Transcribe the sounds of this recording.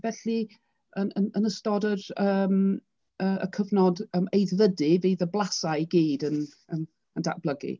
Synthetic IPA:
vɛɬi | ənənənəstɔdərəːm | əːə̰kʰəvnɔdəːmejðvədɨveːðəblˠasaiɡiːdən | ən | ənda̰ʔb̥lˠəɡḭ

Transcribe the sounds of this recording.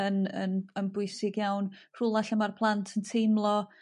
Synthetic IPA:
ənə̰nənbʊɨsɪɡjawnr̥ʊlˠaɬəmarpʰlˠantʰəntʰejmlˠɔ

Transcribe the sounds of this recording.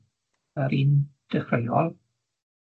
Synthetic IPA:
əɾind̥əχrejɔlˠ

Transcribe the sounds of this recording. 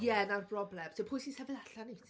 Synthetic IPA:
jɛnarbrɔblɛmsɛpʰʊːjsinsɛvɪðaɬanitʰ

